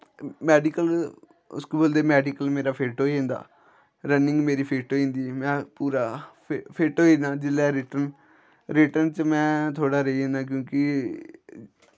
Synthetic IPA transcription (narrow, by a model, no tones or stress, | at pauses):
mɛːɖɪkəl | ʊ̰skoːboːld̪eːmɛːɖɪkəlmeːɾaːpʰeːʈoːiːɦẽːnd̪a̰ː | ɾənɪ̃ŋɡmeːɾiːpʰeːʈoːĩːnd̪iːmɛ̃ːpuːɾaː | pʰeːʈooiːnaːd͡ʒɪlɛːɾɪʈən | ɾɪʈənt͡ʃəmɛ̃ːt̪ʰoːɽaːɾəiːẽːnaːk̬jõːkɪ